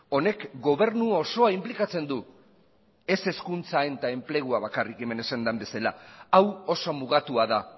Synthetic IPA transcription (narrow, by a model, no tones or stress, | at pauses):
o̞ne̞kɡo̞β̞e̞ɾnuo̞so̞aimplikat͡se̞nd̪u | e̞se̞skunt͡sae̞nt̪ae̞mple̞ɣ̞uaβ̞akarikeme̞ne̞sand̪ambe̞sala̰awo̞so̞muɣ̞at̪uaða